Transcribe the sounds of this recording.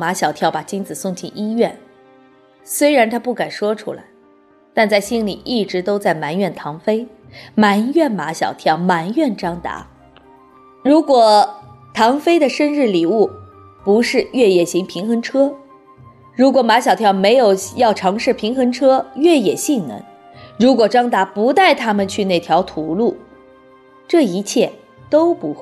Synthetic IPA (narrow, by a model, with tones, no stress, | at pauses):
ma˧˥ɕjɑ˨˩ʊt̪ʰjɑ˥˩ʊpa˨˩t͡ɕi˥nt͡sɹ̩˨˩sʊ˥˩ŋt͡ɕʰi˥˩nʔi˥ɥɛ˥˩n | swe˥ɪɻa˧˥nt̪ʰa˥pu˥˩ka˨˩nʂwɔ˥ʈ͡ʂʰṵ˥la̰˧˩ɪ | t̪a˥˧nt͡sa˥˩ɪɕi˥nli˨˩ʔi˥˩ʈ͡ʂɻ̩˧˥t̪o˥ʊt͡sa˥˩ɪma˧˥nɥɛ˥˩nt̪ʰɑ˧˥ŋfe˥ɪ | ma˧˥njɥɛ˥˩nma̰˧˥ɕjɑ̰˨˩ʊt̪ʰjɑ˥˩ʊma˧˥njɥɛ˥˩nʈ͡ʂɑ˥ŋt̪a̰˧˥ | ɻu˧˥kwɔ˨˩ | t̪ʰɑ˧˥ŋfe˥ɪd̪ə˨ʂə˥nɻɻ̩˥˩li˨˩u˥˩ | pu˧˥ʂɻ̩˥˧ɥɛ˥˧jɛ˨˩ɕi˧˥ŋpʰi˧˥ŋxə˧˥ŋʈ͡ʂʰɤ˥ | ɻu˧˥kwɔ˨˩ma˧˥ɕjɑ˨˩ʊt̪ʰjɑ˥˩ʊme˧˥ɪjo˨˩ʊjɑ˥˩ʊʈ͡ʂʰɑ˧˥ŋʂɻ̩˥˩pʰi˧˥ŋxɤ˧˥ŋʈ͡ʂʰɤ˥ɥɛ˥˩jɛ˨˩ɕi˥˩nnə̰˧˥n | ɻu˧˥kwɔ˨˩ʈ͡ʂɑ˥ŋt̪a˧˥pu˧˥t̪a˥˩ɪt̪ʰa˥mə˨nt͡ɕʰy˥˧na˥˩ɪt̪ʰjɑ˧˥ʊt̪ʰu˧˥lu˥˩ | ʈ͡ʂɤ˥˩i˧˥t͡ɕʰjɛ˥˩ | t̪o˥ʊpu˧˥xwe˥˩